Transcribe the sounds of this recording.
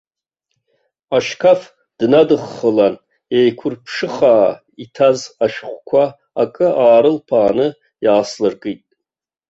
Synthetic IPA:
aʃkʰaf | d̥nadɨχːəlan | ejkʷʰʊrpʰʂɨχaː | itʰazaʃχʷkʷʰa | akʼɨʔaːɾɨlpʰaːnɨ | jaːslɨrɡʼɨtʼ

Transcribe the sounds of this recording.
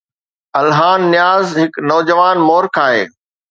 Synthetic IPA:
ɐlɦaːnːɪjaːzɦɪknɔːd͡ʑəʋaːnmoːɾkʰaːɦḛː

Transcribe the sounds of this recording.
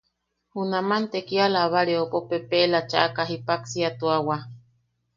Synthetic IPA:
hunamant̪ekialaːβaɾeopopepelat͡ʃaʔakaɦipaksiat̪uawa

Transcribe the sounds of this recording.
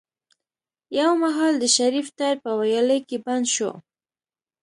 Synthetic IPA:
jawmaɦɑld̪əʃaɾift̪aɾpəwajɑləjkeband̪ʃo̰

